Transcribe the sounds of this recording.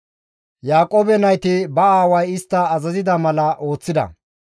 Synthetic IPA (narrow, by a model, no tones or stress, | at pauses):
jaːkʼo̞ːbɛnɐjt̪ɪbɐaːwɐjɪst̪ːɐːzɐzɪd̪ɐmɐlɐʔo̞ːt͡sːɪd̪ɐ̰